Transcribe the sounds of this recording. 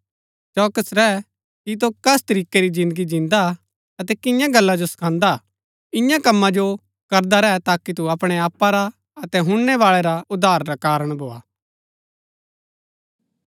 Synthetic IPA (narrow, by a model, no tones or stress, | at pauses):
t͡ʃɔːkəsɾɛː | kit̪̬okɛst̪ɐɾiːkːeɾid͡ʒɪ̃nd̪əɡid͡ʒɪ̃nd̪a | ɐt̪ɛkɪ̃jãɡɐlːad͡ʒosɐ̥kʰãːnd̪a | ɪjãkɐmːad͡ʒo | kɐɾd̪aɾɛːɛt̪aːkit̪̬uɐpɽ̃eaːpːaɾa | ɐt̪ɛɦʊ̃ɽ̃nɛʋaːɭeɾaʊd̪ʱaːɾːakaːɾəɽ̃bʱoːa̰ː